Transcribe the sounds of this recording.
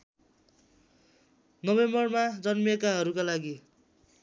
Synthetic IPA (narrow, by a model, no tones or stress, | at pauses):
nʌbembʌrmad͡zʌnmekaɦʌɾukalaɡi